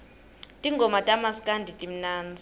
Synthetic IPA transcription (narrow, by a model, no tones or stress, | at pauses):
tʼiŋɡʱɔmatʼamaskʼandʱitʼim̩naːnd͡zʱi